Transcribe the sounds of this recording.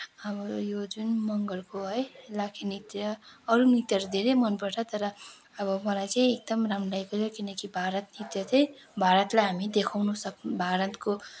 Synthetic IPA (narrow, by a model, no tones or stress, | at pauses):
ʌbʌjod͡zunmʌŋɡʌlkoɦʌjlakʰinit̪jʌːɾunit̪jʌɾd̪ʱeɾejmʌnpʌɾʈʰʌt̪ʌɾʌ | ʌbʌmʌlajt͡saĩek̚d̪ʌmramdajkot͡sʰokinʌkibʱaɾʌt̪nit̪jʌt̪ʰʌjbʱaɾʌt̪lajɦamid̪ekʰawnusʌknbʱaɾʌt̪ko